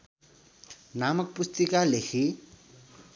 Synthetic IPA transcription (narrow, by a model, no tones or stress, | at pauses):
namʌk̚pust̪ikalexʰi